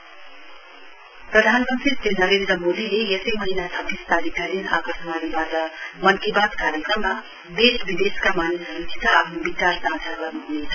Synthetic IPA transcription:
prʌd̪ʱanmʌnt̪rit̪enʌɾẽnd̪ɾʌmod̪ilejʌsʌjmʌɦinasʰʌbist̪alikaɾina̰kʌrsmanibat̪ʌmʌnkibad̪kaɾjekrʌmːa | d̪esbid̪eskamanisɾid̪ʰit̪aapʰnobit͡sarsãt͡sʰabʌtmɦunet͡sʰʌ̥

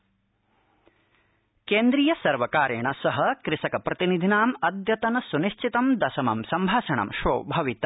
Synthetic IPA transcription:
keːnd̪ɾiːjɐsɐɾʋɐkaːɾjɐɳɐsɐɦɐkɾɪsɐkɐpɾɐt̪inid̪ʱinaːmɐd̪jɐt̪ɐnɐsuniʃt͡ʃit̪ɐmd̪ɐsɐmɐ̰msɐmbʱaːʃɐɳɐ̰mʃoːbʱɐʋit̪ɐ

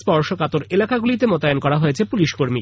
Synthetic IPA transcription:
spɔɾʃokat̪oɾelakaɡulit̪emot̪ajonkɔɾaɦoet͡ɕʰepuliʃkoɾmi

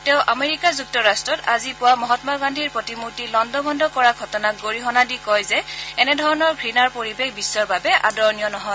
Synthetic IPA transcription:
tɛʊʔameɹikazuk̚tɔɹastɹɔtazipʊwamɔɦɔtmaɡandʱiɹpɹotimuɹtilɔndɔbʱɔndɔkɔɹaɡʱɔtɔnaɡoɹiɦɔnadikɔjzɛɛnɛdʱɔɹɔnɔɹɡʱɹinaɹpoɹibexbisːɔɹbabɛʔa̰dɔɹnijɔnɔɦɔj

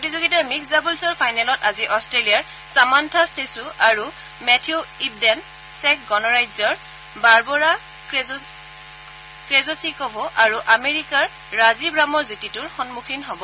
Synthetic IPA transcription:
potizoɡitaɹmiksdabulsɔɹpʰajnɛlɔtaziʔɔstɹelijaɹ | samantʰastesuʔaɹu | mɛtʰiuib̚dɛn | sɛk̚ɡɔnɔɹajzɔɹ | baɹbɔɹa | kɹezosikɔbʱɔʔaɹuʔameɹikaɹː | azibɹamɔɹzutitʊɹxɔnmukʰinɦɔbɔ

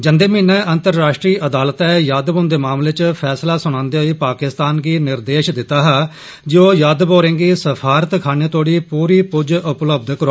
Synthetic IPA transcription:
d͡ʒənd̪eːmĩːnɛ̃ːʔə̃nt̪əɾːaːʃʈɾiːʔəd̪aːlət̪ɛ̃ːjaːd̪bõːnd̪eːmaːmleːt͡ʃpʰɛːslaːsʊɽ̃ãːnd̪eːɦəiːpaːkɪst̪aːnɡiːnɪɾd̪eːʃd̪ɪt̪ːaːɦaː | d͡ʒoːjaːd̪boːɾẽːɡiːsəpʰaːɾət̪kʰaːneːt̪oːɽiːpuːɾiːpʊd͡ʒʔʊpləb̚d̪kəɾoː

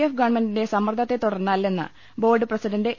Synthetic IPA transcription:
efɡɐɳmɐndinde̞sɐmːɐrd̪ʰʱɐt̪ːe̞t̪uɽɐrnːaːlːe̞nːɨ̰ | bo̞ːrɖɨprɐsidɐnde̞

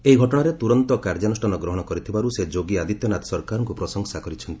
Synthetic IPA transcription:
eiɡʱɔʈɔɽ̃aɾet̪uɾɔnt̪ɔkaɾd͡ʒanusʈanɔɡɾɔɦɔɽ̃ɔkɔɾit̪ʰibaɾused͡ʒoɡiad̪it̪jɔnat̪ɔ̥sɔɾkaɾɔŋkupɾɔsɔŋsakɔɾit͡ʃʰɔnt̪i

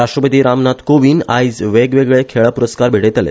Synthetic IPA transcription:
ɾaʂʈɾəpət̪iːɾamnat̪koʋiːnajd͡zʋeɡʋeɡɭekʰeɭapuɾəskaɾbʱeɽet̪alḛ

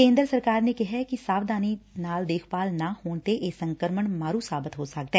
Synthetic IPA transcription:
kẽːnd̪ɾsəɾkaːɾneːkɪɦɛkɪsaːʋd̪aːniːnaːld̪eːkʰpaːlnaːhoːɳt̪eːʔeːsəŋkəɾməɳmaːɾũːsaːbɪt̪ɦoːsək̚d̪ɛː

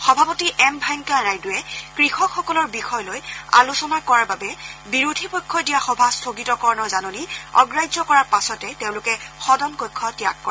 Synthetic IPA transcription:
xɔbʱapotiʔɛmbʱajŋkanajdʊjɛkɹixɔkʰxɔkɔlɔɹbixɔjloja̰lusɔnakɔɹaɹbabɛbiɹudʱipɔjkʰːɔdijaxɔbʱastʰoɡitɔkɔɹɔnɔzanoniɔ̰ɡɹajzɔkɔɹaɹpasɔtɛteʊ̃lʊkɛxɔdɔnkojkʰːɔtijakːɔɛ

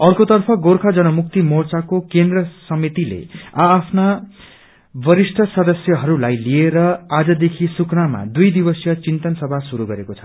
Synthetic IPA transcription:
ʌrkot̪ʌrpʰʌɡorkʰad͡zʌnʌmuk̚t̪imort͡sakokend̪rʌsʌmit̪ilḛaːpʰna | bʌɾisʈʰʌsʌd̪ʌsjʌɦʌɾulajlieɾʌad͡zʌd̪ekʰisuknama̰d̪ujd̪ibʌsjʌt͡sint̪ʌnsʌbʱasuɾuɡʌɾekot͡sʰʌ̥

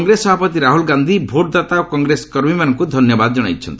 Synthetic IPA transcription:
ŋɡɾesɔbʱapɔt̪iɾaɦulɡand̪ʱibʱoʈ̚d̪at̪aokɔŋɡɾesɔ̥kɔɾmimanɔŋkud̪ʱɔnjɔbad̪ɔd͡ʒɔɽ̃a̰jtt͡ʃʰɔ̰nt̪i̥

